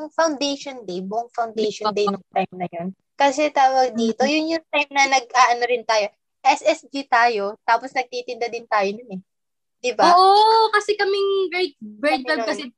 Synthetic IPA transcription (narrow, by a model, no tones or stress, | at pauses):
ɐŋfɐwnd̪ejʃond̪ejbʊʔʊŋfɐwnd̪ejʃond̪ejnoŋt̪ajmnɐjon | kɐsɛt̪aːwɐɡ̚d̪iːt̪o̞jʊnjʊŋt̪ajmnɐnɐɡ̚ʔaːʔɐnoɾɪnt̪aːjo̞ | ʔɛsʔɛsd͡ʒit̪aːjo̞t̪aːposnɐɡ̚t̪iːt̪ɪnd̪ɐd̪ɪnt̪aːjonʊnɛ | d̪̥ɪbaʔokɐsɛkɐmɪŋɡɹɛt̪̚bɛt̪̚ɛkɐsɛ